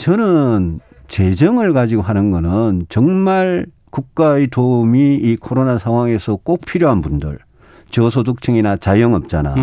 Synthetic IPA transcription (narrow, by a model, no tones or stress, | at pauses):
t͡ɕʌnɯn | t͡ɕe̞d͡ʑʌŋɯɭkad͡ʑiɡoɦanɯnɡʌnɯnt͡ɕʌŋmaɭ | kuk̚k͈aetoumiːkʰoɾonasʰaŋwaŋe̞sʰʌk͈ok̚pʰiɾjoɦanbundɯ̰ɭ | t͡ɕʌsʰoduk̚t͡ɕʰɯŋinat͡ɕajʌŋʌp̚t͡ɕ͈ana̰